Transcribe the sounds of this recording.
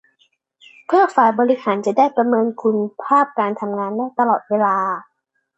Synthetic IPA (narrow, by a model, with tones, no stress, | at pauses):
pʰɯ˥˩ɐfaː˩˦jbɔː˧li˦˥haː˩˦nt͡ɕa˨˩ʔdaː˥˩jpɾa˧mɤː˧nkʰu˧npʰaː˥˩p̚kaː˧nt̪ʰa˧mŋaː˧nːaː˥˩jt̪a˧lɔː˨˩t̪̚weː˧laː˧